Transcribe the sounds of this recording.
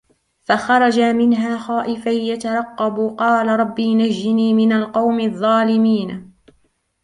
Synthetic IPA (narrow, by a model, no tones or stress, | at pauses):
faxɑɾˤɑd͡ʒamɪnɦaːxɑːʔɪfajjat̪ɑɾˤɑqːɑbqɑːlaɾˤɑbːiːnaʒːɪniːmɪnalqɑwmɪðˤːɑːlɪmiːn